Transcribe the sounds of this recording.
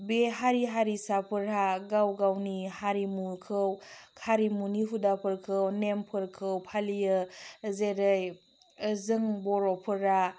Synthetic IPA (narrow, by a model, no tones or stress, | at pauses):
beɦaɾiɦaɾisapʰɯɾaɡawɡawnihaɾimukʰɯwkʰaɾimuniɦudapʰɯɾkʰɯwnempʰɯɾkʰɯwpʰalijɯzeɾɯj | zɯŋbɔɾɔpʰɯɾa